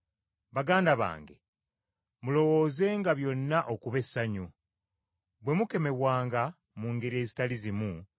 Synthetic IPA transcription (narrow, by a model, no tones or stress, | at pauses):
βaɡaːndaβa̰ːŋɡe̞̰ | mulo̞wo̞ːze̞ŋɡaβjo̞nːaʔo̞kuβe̞saɲu | βwe̞muke̞me̞βwaːŋɡa | muːŋɡe̞ɾie̞ːzitalizimu